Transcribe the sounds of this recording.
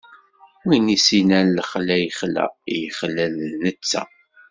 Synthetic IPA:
inisinænːəχlæjəχlæ̰jəχlælnət͡sːæ̰

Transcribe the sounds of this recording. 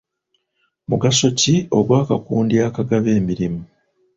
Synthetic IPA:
muɡaso̞cio̞ɡwaːkakuːndiaːkaɡaβe̞ːmiɾimu

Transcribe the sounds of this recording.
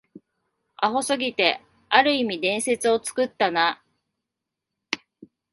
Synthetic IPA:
aɦo̞sɨɡʲit̪e̞ | aɾɯ̟imʲid̪ẽ̞ɰ̃se̞t͡sɨo̞t͡sɨ̥kɯ̟t̪ːana

